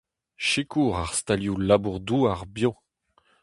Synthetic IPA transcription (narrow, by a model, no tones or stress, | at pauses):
ʃekuːʁaʁst̪aljulabuʁd̪uaʁbjɔ̃